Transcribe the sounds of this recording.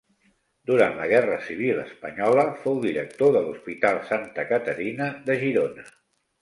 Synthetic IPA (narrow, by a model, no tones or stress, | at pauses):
d̪uɾant̪ləɣ̞ɛrəsiβ̞ilə̰spəɲɔləfowðiɾək̚t̪oðəluspit̪alˠsant̪əkət̪əɾinəðəʒiɾonə